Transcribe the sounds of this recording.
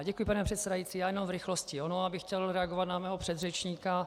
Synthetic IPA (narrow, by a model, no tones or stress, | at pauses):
ɟɛkujɪpanɛpr̥ɛt̪sɛdajiːt͡siːjaːjɛno̞mvɾɪxloscɪonoabɪxcɛlɾɛaɡovat̪namɛːɦopr̝̥ɛd̪rɛt͡ʃɲiːka